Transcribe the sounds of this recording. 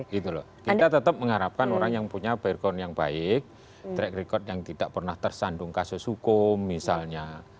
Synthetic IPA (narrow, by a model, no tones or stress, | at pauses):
ɡit̪ulɔ̰hkit̪at̪ət̪əp̚məŋaɾap̚kanoɾaŋjaŋpuɲab̥arkɔnjaŋbaɪk̚ | t̪ɾɛkɾikɔt̪̚jaŋt̪id̥aʔpərnaht̪ərsanɖʊŋkasʊsukʊmːisalɲa